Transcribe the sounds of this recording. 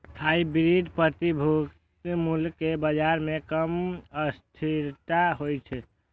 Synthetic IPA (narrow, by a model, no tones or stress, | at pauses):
kʰaibɾiɖpɾət̪ibʱuk | t̪mulkebəd͡ʒaɾmekəməst̪ʰiɾt̪aɦojt͡ʃʰɛ